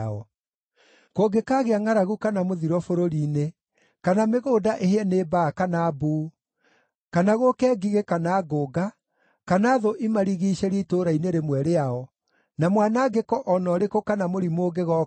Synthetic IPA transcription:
ɔ | koɡekaːɣeaŋaɾaɣukanamoðiɾɔfoɾoɾiːne | kanameɣoːdaʔeheɛnebaːkanaːbuː | kanaɣokɛːɡiɣekanaːɡoɡa | kanaːðoʔimaɾiɣiɕɛɾitoːɾaineɾemwɛɾeaɔ | namwaːnaɡekɔʔɔnɔɾekokanamoɾimoːɡeɣɔ

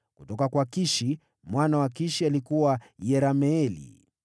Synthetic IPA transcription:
kutɔkakwakiʃi | mwanawakiʃialikuwajɛɾamɛɛlḭ

